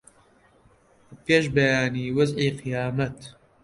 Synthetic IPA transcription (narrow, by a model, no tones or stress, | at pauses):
peːʃbɐjaːniːwɐziːqɨjaːmɐt̪